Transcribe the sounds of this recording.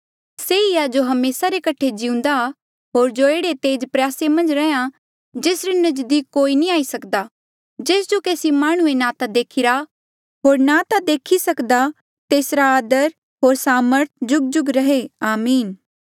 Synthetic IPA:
seɪjad͡ʒoɦɐmeːsaɾekɐʈʰed͡ʒiʊ̃nd̪a | ɦoːɾd͡ʒoeːɽet̪eːd͡ʒpɾjaːsemɐ̃nd͡ʒɾɛã | d͡ʒeːsɾenɐd͡ʒd̪iːkːoːinĩaːisɐkd̪a | d͡ʒeːsd͡ʒokeːsimaːɽ̃ʊ̃enat̪ad̪eːkʰɪɾa | ɦoːɾnat̪ad̪eːkʰisɐkd̪a | t̪eːsɾaaːd̪əɾ | ɦoːɾsaːməɾt̪̚ʰd͡ʒʊɡ̚d͡ʒʊɡɾɐɦeaːmiːn

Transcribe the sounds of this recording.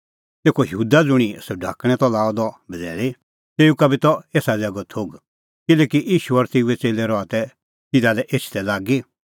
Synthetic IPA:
t̪eːkʰɔjɦuːd̪ad͡zʊɽ̃isɔɖʱa̰ːkɽ̃ɛ̃t̪ɔlaːɔd̪ɔbʱɐd͡zɛːle | t̪eːukabit̪ɔeːsad͡zɛɡɔt̪ʰoːɡ | kɪlɛːkiʔiːʃuɐɾt̪euɛt͡seːlɛɾɔat̪ɛ | t̪ɪd̪alɛʔeːt͡ʃʰt̪ɛlaːɡi

